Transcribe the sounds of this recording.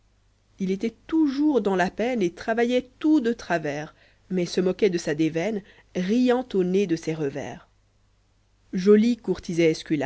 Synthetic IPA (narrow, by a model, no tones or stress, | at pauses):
ilet̪ɛt̪uʒuʁd̪ɑ̃lapɛnet̪χavajɛt̪ud̪ət̪χavɛːʁ | mɛsəmɔkʲɛd̪əsad̪evɛn | ʁijɑ̃t̪oned̪əsɛʁəvɛ̰ːʁ | ʒɔlikuʁt̪izɛːskʲyla